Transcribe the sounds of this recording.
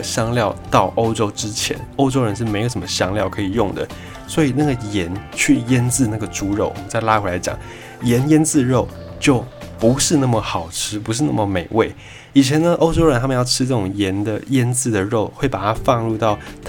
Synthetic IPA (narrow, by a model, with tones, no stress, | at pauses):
ɕjɑ˥ŋljɑ˥˧ʊt̪ɑ˥˩ʊʔo˥ʊʈ͡ʂo˥ʊʈ͡ʂɻ̩˦t͡ɕʰjɛ̰˧˦no˥ʊʈ͡ʂo˥ʊɻə˧˥nʂɻ̩˥˩me˨˥ɪɡə˧˩ʂə˧˩mə˧˦ɕjɑ˥ŋljɑ˥˩ʊkʰɤ˧˥i˨˩jʊ˥˩ŋd̪ə̰˩ | swɔ˧˥i˨˩na˥˩ɡə˩jɛ˧˥nt͡ɕʰy˥˩jɛ˥nt͡sɹ̩˥˧na˥˩ɡə˩ʈ͡ʂu˧˥ɻo˥˩ʊwmə˨˦nt͡sa˥˩ɪla˥kʰwe˧˥˩la˧˥ɪt͡ɕjɑ̰˨˩ŋ | jɛ˨˧˥njɛ˥nt͡sɹ̩˥˧ɻo˥˩ʊ | t͡ɕjo˥˩ʊpu˧˥ʂɻ̩˥˧na˥˩mə˩xɑ˨˩ʊʈ͡ʂʰɻ̩˥pu˧˥ʂ̬ɻ̩˥˧na˥˩mə˩me˨˩ɪwe˥˩ɪ | i˨˩t͡ɕʰjɛ˧˥nə˧ʔo˥ʊʈ͡ʂo˥ʊɻə˧˥nt̪ʰa˥mə˨˦jɑ˥˧ʊʈ͡ʂʰɻ̩˥ʈ͡ʂɤ˥˩ʈ͡ʂʊ˨˩ŋjɛ˧˥nd̪ə˨jɛ˥nt͡sɹ̩˥˩d̪ə˩ɻo˥˩˧ʊxwe˥˩ɪpa˨˩t̪ʰa˥fɑ˥˧ŋlu˥˧t̪ɑ˥˩ʊt̪ʰ